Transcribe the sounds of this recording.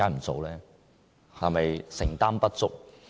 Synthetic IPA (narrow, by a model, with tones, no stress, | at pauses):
aː˥nm̩˨˩t͡so˨˧wlɛː˦˥ | hɐ˨mɐ˨jsɪ˨˩ŋt̪aː˥mpɐ˥t̚t͡sʊ˥k̚